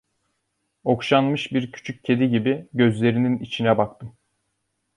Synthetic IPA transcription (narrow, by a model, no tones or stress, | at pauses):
o̞kʃanmɯʃbiɾcʰy̥t͡ʃʰyc̚cʰːe̞d̪iɟibiɟø̞zlʲe̞ɾininit͡ʃʰinɛbak̚t̪ʰɯ